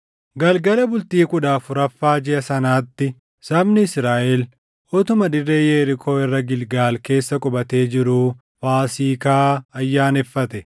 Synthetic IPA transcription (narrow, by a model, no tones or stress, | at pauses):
ɡɐlɡɐlɐbʊlt̪iːkʼʊᶑaːfʊɾɐfːaːd͡ʒɪɐsɐnaːt̪ːɪ | sɐbnɪɪsɾaːʔɛl | ɔt̪ʊmɐd̪ɪrːeːjeːɾɪkʰo̞ːɪrːɐɡɪlɡaːlke̞ːsːɐkʼʊbɐt̪e̞ːd͡ʒɪɾuː | faːsiːkaːɐjːaːnɪfːɐt̪ɛ